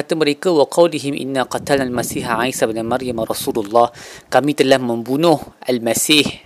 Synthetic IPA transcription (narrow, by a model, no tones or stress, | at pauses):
at̪əməɾekawaqʰɑwliɦɪmʔɪ̰nːaqɑt̪alnalmasiːħaʕajsabnamaɾjamaɾˤɑsululˤːɑhkamĩt̪əlahmə̃mbunʊhʔalmasiːh